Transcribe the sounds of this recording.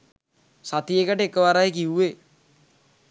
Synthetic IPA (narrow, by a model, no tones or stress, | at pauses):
sat̪ijekəʈəekəʋaɾajekiuʋe